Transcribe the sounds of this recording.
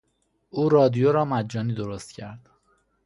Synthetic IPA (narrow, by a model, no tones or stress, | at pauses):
ʔuːɾɒːd̪ijoɾɒːmæd̪d͡ʒɒːniːd̪oɾost̪cʰæɾd̪̥